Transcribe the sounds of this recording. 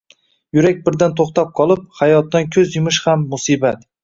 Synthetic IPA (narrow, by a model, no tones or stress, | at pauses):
jʊɾak̚ʲbɪɾd̪ant̪ʰoχt̪ap̚qʰɒlˠɪp̚hajɒt̪ːankʲʰɵzjɪmɪʃhamːʊsibat̪